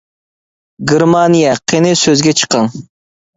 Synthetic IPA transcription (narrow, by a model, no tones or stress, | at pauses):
ɡʲiɾmɑnijɛqʰenɪsøzɡʲɛt͡ʃʰə̥qɑŋ